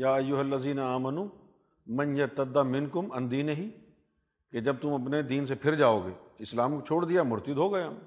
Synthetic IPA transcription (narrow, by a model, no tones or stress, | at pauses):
jaːɐjːʊɦɐlːɐziːnaaːmɐnuː | mɐ̃njɐɾt̪ɐd̪ːamɪ̃nkʊmɐ̃nd̪iːneɦiː | ked͡ʒɐb̚t̪ʊmɐpned̪iːns̬epʰɪɾd͡ʒaːoːɡeːɪslaːmkot͡ʃʰoːɽd̪ijamʊɾt̪ɪd̪ɦoːɡɐeɦɐm